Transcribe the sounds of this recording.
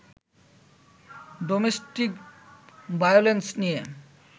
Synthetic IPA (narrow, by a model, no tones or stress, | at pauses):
ɖomesʈik | bajolensnije